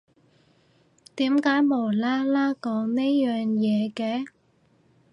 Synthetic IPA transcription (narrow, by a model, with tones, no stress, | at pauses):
t̪iː˨˥mkaː˨˥jmo˨˩laː˥laː˥kɔː˨˥ŋneː˥jœː˨ŋjɛː˨˧kɛː˧